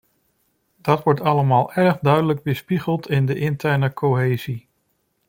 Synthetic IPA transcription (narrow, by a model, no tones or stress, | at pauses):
d̥ɑtʋɔɹtɑləmaːlˠʔɛɹχdœɥdələɡ̚bəspiχəlˠtɪndəʔɪntɛɹnəkʰoɦeːzi